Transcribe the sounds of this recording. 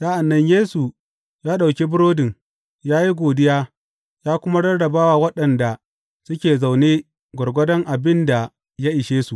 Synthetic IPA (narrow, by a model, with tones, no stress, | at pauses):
sa˦ʔa˨nːɐ˦ɲjeː˦su˨ | jaː˦ɗa˨wkʲe˦bʊ˦ɾoː˦dɪ˨ŋ | jaː˦ji˦ɡʷoː˨dɪ˦jaː˦ | jaː˦kʷʊ˦ma˦ɽɐ˦rɽɐ˨baː˦wa˨wɐ˦ɗɐ˨nda˨ | sʊ˦kʲeː˨za˨wneː˦ | ɡʷɐ˨rɡʷɐ˦dɐ˦ŋʔa˨bɪ˦nda˨ | ja˦ʔɪ˨ʃeː˦su˨ʔ